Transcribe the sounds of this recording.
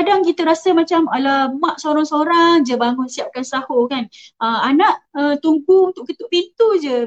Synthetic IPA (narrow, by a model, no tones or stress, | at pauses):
kadaŋkit̪əɾasəmat͡ʃamalamaʔsoɾaŋsoɾaŋd͡ʒəbaŋʊnsiap̚kansahokanəanaʔət̪uŋɡuunt̪ʊʔkət̪uʔpint̪ud͡ʒə